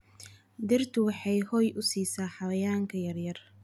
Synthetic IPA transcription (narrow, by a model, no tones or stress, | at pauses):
d̪ɪrt̪ʰʊwɑħɑjhɔjʔʊsiːsaːħɑwɐjaːŋkʰɐjɐrjɐr